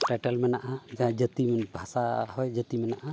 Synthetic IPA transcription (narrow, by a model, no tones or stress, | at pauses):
ʈɛʈɛlmɛnaʔad͡ʒaɦãd͡ʒət̪imɛnbʱasahɔjd͡ʒət̪imɛnaʔa